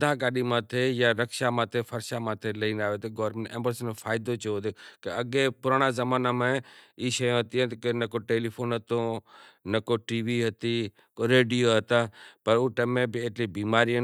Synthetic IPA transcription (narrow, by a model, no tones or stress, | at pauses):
d̪ʱaːkaːɗiːmãːt̪ʰejaːɾəkʃaːmãːt̪ʰefʰəɾʃaːmãːt̪ʰeləiːnaːʋeːt̪eɡɔːɾmẽɳʈḛ̃ːmbəɾsənfʰaːɪd̪ot͡ʃːoːd̪ekeəɡẽːpʊɾaːɽ̃aːzəmaːnaːmẽiːʃəjõɦət̪iɦə̃ːt̪kenəkoːʈeːliːpʰoːnɦət̪õːnɐkoʈiːʋiːɦət̪iː | koɾeːɖijoːɦət̪aːpəɾuːʈəmẽːbɪeːʈliːbiːmaːɾijə